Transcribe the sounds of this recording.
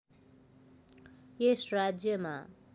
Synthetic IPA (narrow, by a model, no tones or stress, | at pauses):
esrad͡zjʌma